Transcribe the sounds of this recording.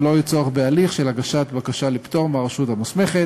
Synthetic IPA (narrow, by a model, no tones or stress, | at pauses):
lo̞jit͡soaχbealiχʃelaɡaʃat̪bakaʃalipt̪o̞ʁmaʁaʃuthamusme̞χe